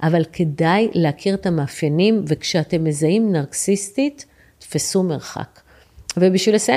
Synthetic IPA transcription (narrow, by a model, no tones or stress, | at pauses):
ʔavalkʰe̞dajleakʰiʁet̪amaːfjanimvekʃeate̞mːezaimnaʁksist̪itː | fasume̞ʁχa̰k | vebiʃvils